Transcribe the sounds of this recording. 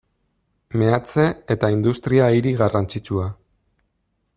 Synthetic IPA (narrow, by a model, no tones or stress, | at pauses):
me̞at͡se̞et̪aind̪ust̪ɾiaiɾiɣarant͡sit͡ʃua